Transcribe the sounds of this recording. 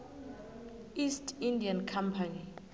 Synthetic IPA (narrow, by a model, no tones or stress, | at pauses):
istʰindiankʰampʰani